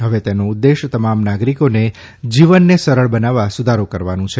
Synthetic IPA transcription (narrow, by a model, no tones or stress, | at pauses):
ɦəʋet̪enoud̪ːeʃt̪əmamnaɡɾikone | d͡ʒiʋənːesəɾəɭbənaʋːasud̪ʱaɾokəɾʋanũt͡ʃʰe